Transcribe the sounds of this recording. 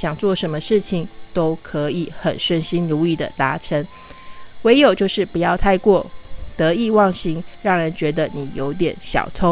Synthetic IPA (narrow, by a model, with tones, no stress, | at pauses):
ɕjɑ˨˩ŋt͡swɔ˥˩ʂə˧˥nmə˧ʂɻ̩˥˩t͡ɕʰi˨˩ŋt̪o˥ʊkʰɤ˧˥i˨˩˦xə˨˩nʂə˥˩nɕi˥nɻu˧˥i˥˩d̪ə̰˨t̪a˧˥ʈ͡ʂʰə˧˦˥n | we˧˥ɪjo˨˩ʊt͡ɕjo˥˧ʊʂɻ̩˥˩pu˨˩jɑ˥˧ʊt̪ʰa˥˧ɪkwɔ˥˩t̪ɤ˧˦i˥˧wɑ˥˩ŋɕi˥ŋɻɑ˥˩ŋɻə˧˦nt͡ɕɥɛ˧˥d̪ə˧ni˨˩jo˧˥ʊt̪jɛ̰˨˩˦nɕjɑ̰˨˩ʊt̪ʰo˥